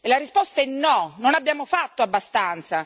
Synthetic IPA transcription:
elaɾispɔst̪aɛnːɔnonabːjaːmofat̪ːoabːast̪ant̪sa

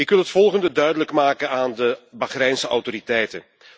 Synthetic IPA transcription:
ɪkʋɪlˠɦətfɔlˠχəndədœɥdələkmaːkənaːndəbaχrɛjnsəʔɔ̰wtoɾitɛjtən

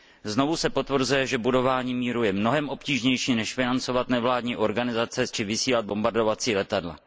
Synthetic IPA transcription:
zno̞vusɛpo̞t̪vr̩zujɛʒɛbudo̞vaːɲiːmiːɾujɛmno̞ɦɛmʔo̞pciːʒɲɛjʃiːnɛʃfɪnant͡so̞vat̪nɛvlaːdɲiːʔo̞ɾɡanɪzat͡sɛt͡ʃɪvɪsiːlad̪̚bo̞mbaɾdo̞vat͡siːlɛt̪adla̰

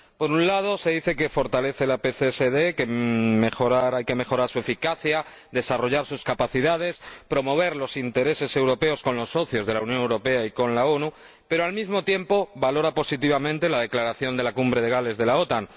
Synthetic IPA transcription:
po̞ɾunlað̞o̞se̞ðiθe̞ke̞fo̞ɾt̪ale̞θe̞lapeθeseðe̞keme̞xo̞ɾaɾajkeme̞xo̞ɾaɾsue̞fikaθja | d̪e̞saro̞ʝaɾsuskapaθiðað̞e̞spɾo̞mo̞β̞e̞ɾlo̞sint̪e̞ɾe̞se̞se̞wɾo̞pe̞o̞sko̞nlo̞sːo̞θjo̞zð̞e̞launjo̞ne̞wɾo̞pe̞aiko̞nlao̞nu | pe̞ɾoalmizmo̞t̪je̞mpo̞βalo̞ɾapo̞sit̪̬iβ̞amẽ̞nt̪e̞lað̞e̞klaɾaθjo̞nd̪e̞lakumbɾe̞ðe̞ɣ̞ale̞zðe̞lao̞t̪aŋ

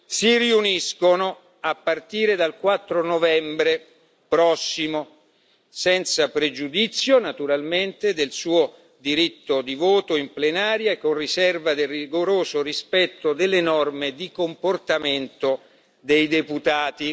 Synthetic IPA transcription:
siriuniskono | apːart̪iːɾed̪alkwat̪ːɾonovɛmbɾe | pɾɔsːimo | sɛnt̪sapɾed͡ʒud̪it̪sːjonat̪uɾalment̪ed̪elsuːo | d̪iɾit̪ːod̪ivoːt̪oimplenaːɾjaekonrisɛrvad̪eriɡoɾoːzorispɛt̪ːod̪elːenɔrmed̪ikomport̪ament̪o | d̪ejd̪eput̪aːt̪i

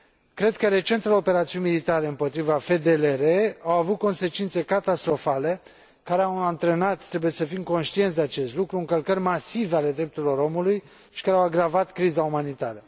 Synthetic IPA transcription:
kɾe̞d̪kəɾe̞t͡ʃe̞nt̪əleope̞ɾat̪siunʲmilit̪aɾe̞ɨmpo̞t̪ɾivafe̞d̪eleɾeawavut̪̚ko̞nse̞t͡ʃint̪se̞kat̪ast̪ɾo̞fale̞ | kaɾeawant̪ɾenat̪t̪ːɾe̞buje̞səfimko̞nʃt̪ijent̪d̪e̞at͡ʃe̞st̪lukɾuɨŋkəlkərʲmasiveale̞d̪ɾep̚t̪uɾilo̞ɾo̞muluj | ʃi̥kaɾeawaɡɾavat̪kɾizaumanit̪aɾə

